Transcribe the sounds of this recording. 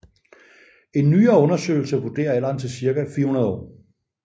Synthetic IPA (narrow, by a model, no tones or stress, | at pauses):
e̝nːyːɐɔ̽nɐsø̰ɪl̩səʋud̥e̝̰ːɐelɐn̰̩ˠt͡sʰe̝siɐɡ̥æfiɐhunɐð̞ˠɒ̰ː